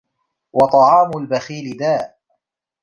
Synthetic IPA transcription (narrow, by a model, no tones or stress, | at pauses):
wɑt̪ˤɑʕɑːmʊlbaxiːlɪd̪aːʔ